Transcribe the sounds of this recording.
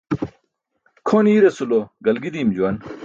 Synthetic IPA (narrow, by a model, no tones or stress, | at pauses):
kʰoːniːɾesuloɡɐlɡid̪imd͡ʑuwɐn